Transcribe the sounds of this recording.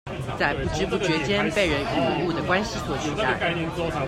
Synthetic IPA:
t͡sa˥˩ɪpu˧˩ʈ͡ʂɻ̩˥pu˥˩t͡ɕɥɛ˧˥t͡ɕjɛ˥npe˥˩ɪɻə˧˥ny˥˩˧u˥˩d̪ə˩kwa˥nɕi˧˥swɔ˨˩t͡ɕi˥˧t͡sa˥˩ɪ˧

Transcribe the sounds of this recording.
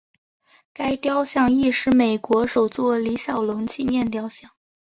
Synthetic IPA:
ka˥ɪt̪jɑ˥ʊɕjɑ˥˧ŋi˥˧ʂɻ̩˥˩me˨˩ɪkwɔ˧˥ʂo˨˩ʊt͡swɔ˥˩li˧˥ɕjɑ˨˩ʊlɤ˧˥ŋt͡ɕʰi˥˧mjɛ˥˩nt̪jɑ˥ʊɕjɑ˥˩ŋ

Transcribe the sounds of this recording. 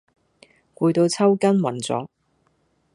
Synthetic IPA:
kʷuː˧jt̪o˧wt͡sʰɐ˥wkɐ˥nwɐ̰˨˩nt͡sɔ̰ː˨˥

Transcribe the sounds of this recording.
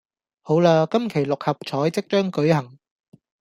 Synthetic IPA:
ho˨˥wlaː˧kɐ˥mkʰe˨˩jlʊ˨k̚hɐ˨p̚t͡sʰɔː˨˥jt͡sɪ˥k̚t͡ʃœː˥ŋkɵ˨˥ɥhɐ˨˩ŋ

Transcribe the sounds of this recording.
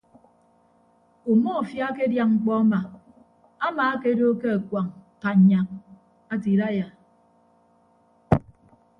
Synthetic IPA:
o˨mo˦˨fja˦ke˦dja˦ŋŋ͡m̩˦k͡pɔ˦a˦ma˨ | a˦maː˨a˦ke˦do˦ke˦a˨kwʷa˨ŋka˨ɲa˨ŋ | a˦ti˨ɾa˦ja˨

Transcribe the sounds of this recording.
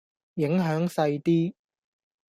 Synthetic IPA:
jɪ˨˥ŋɦœː˨˥ŋsɐ˧jt̪iː˥

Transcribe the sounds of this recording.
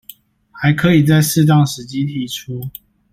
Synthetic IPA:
xa˨˦ɪkʰɤ˨˦i˨˩t͡sa˥˧ɪsɹ̩˥˧t̪ɑ˥˨ŋʂɻ̩˨˦t͡ɕi˦i˥˩ʈ͡ʂʰu˦

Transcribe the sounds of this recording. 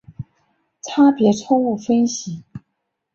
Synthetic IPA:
ʈ͡ʂʰa˥pjɛ˧˥ʈ͡ʂʰʊ˥ŋu˥˩fə˥nɕi˨˩˦

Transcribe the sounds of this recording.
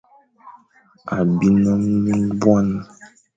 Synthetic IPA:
a˨bi˦nɔ̃˦m˦ũ˦bwa˦nã˨

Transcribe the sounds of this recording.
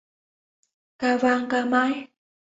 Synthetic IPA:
ka˧vaː˧ŋkaː˧ma˧˦j

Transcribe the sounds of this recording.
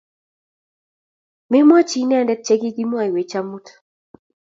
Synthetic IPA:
me˦mwɔ˦t͡ʃi˦nɛ˦a˦˨ndɛ˦t̚t͡ʃɛ˦ɡi˦ɡi˦mwa˦i˨we˨t͡ʃa˦mu˦t

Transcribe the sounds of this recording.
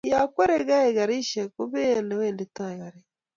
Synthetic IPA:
ja˨kwɛ˦ɾɛ˦ɣa˦ɛ˨ɣa˨ɾi˦ʃɛ˨ko˦βe˦˨ne˨weː˦˨nde˨ta˦e˨ɣa˨ɾe˨

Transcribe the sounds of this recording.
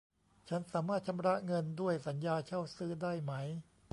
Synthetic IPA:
t͡ɕʰa˦˥nsaː˩˦maː˥˩t̪̚t͡ɕʰa˧mɾa˦˥ŋɤ˧ndu˥˩əjsa˩˦njaː˧t͡ɕʰa˥˩wsɯː˦˥daː˥˩jma˦˥j

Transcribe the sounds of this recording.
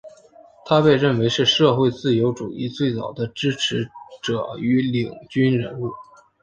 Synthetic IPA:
t̪ʰa˥pe˥˧ɪɻə˥˩nwe˧˥ɪʂɻ̩˥˧ʂɤ˥˧xwe˥˧ɪt͡sɹ̩˥˩jo˧˥ʊʈ͡ʂu˨˩i˥˧t͡swe˥˩ɪt͡sɑ˨˩ʊd̪ə˦ʈ͡ʂɻ̩˥ʈ͡ʂʰɻ̩˧˥ʈ͡ʂɤ˨˩˦y˧˥li˨˩ŋt͡ɕy˥nɻə˧˥nu˥˩

